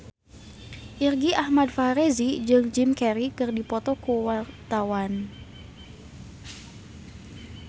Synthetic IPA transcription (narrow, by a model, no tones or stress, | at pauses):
ʔirɡiʔahmadfaɾezid͡ʒɨŋd͡ʒɪmkɛɾikɨrdipɔt̪ɔkuwart̪awan